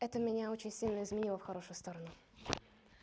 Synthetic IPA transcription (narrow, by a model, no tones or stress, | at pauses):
ɛt̪əmʲɪnʲao̞t͡ɕɪnʲsʲilʲnəɪzmʲɪnʲilˠəfxɐɾo̞ʂʊjʊst̪o̞ɾənʊ